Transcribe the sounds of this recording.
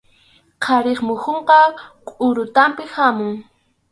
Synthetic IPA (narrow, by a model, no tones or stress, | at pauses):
qʰɑɾeχmʊhoɴqɑqʼʊɾʊt̪ampɪhamʊŋ